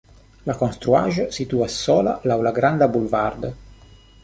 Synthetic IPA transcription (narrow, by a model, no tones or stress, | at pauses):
lakɔnst̪ɾua̰ːʒəsit̪uasɔːla̰lawlaɡɾand̪abulvard̪ə